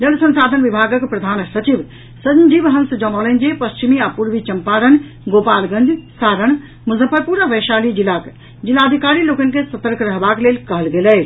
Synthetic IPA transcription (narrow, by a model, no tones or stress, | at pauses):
d͡ʒəlsə̃nsad̪ʱənʋibʱaɡəkpɾəd̪ʱansət͡ʃib | sənd͡ʒibɦə̃nsəd͡ʒəmɔlənd͡ʒepəst͡ʃimiapuɾʋit͡ʃəmpaɾən | ɡopalɡə̃nd͡ʒsaɾəɳ̃ | muzəpəɾpuɾəʋəʃalid͡ʒilak | d͡ʒilaəd̪ʱikaɾilokənkesət̪əɾkʰɾəɦbaklelkəɦəlɡelɛ